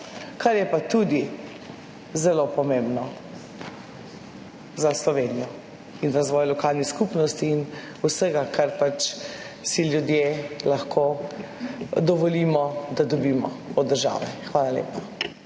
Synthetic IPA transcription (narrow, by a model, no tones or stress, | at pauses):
kaɾjɛpat̪ud̪i | zɛlopɔmẽmbnɔ | zaslɔʋenijɔ | inɾazʋɔːjlɔkaːlniskupnɔst̪iːn | usəɡakʰaɾpat͡ʃ | silʲjud̪jeːlaxkʰoː | d̪ɔʋɔliːmɔd̪ad̪ɔbiːmɔɔd̪ːəɾʒa̰ːʋɛxʋaːlalḛːpḁ